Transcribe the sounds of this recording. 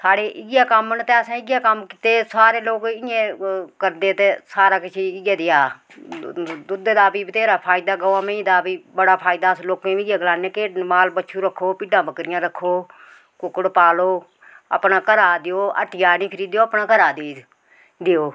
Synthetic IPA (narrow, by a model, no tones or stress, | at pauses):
saːɽeːʔɪɡjaːkəmənt̪eːəsãːɪɡjaːkəmkɪt̪eːsaːɾeːloːɡɪjẽːkəɾd̪eːt̪eːsaːɾaːkɪt͡ʃʰiɪɡeːd̪ɪjaː | d̪ʊd̪eːd̪aːpiːbt̪eːɾaːpʰaːid̪aːɡəʋãːməĩd̪aːpiːbəɽaːpʰaːɪd̪aːsloːkẽːɪɡjãːɡəlaːneːkeːmaːlbətːʃʰuɾəkʰːoːpiːɖãːbəkɾɪjãːɾəkʰːoː | kʊkəɽpaːloː | ə̰pnaːkəɾaːd̪ɪjoːə̰ʈɪjaːnĩːkʰəɾiːd̪joːəpnaːkəɾaːd̪eː | d̪ejoː